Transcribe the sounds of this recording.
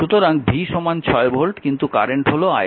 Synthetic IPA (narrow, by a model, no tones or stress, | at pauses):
ʃut̪oɾaŋbʱiʃɔmant͡ɕʰɔebʱolʈkint̪ukaɾeɳʈɦoloa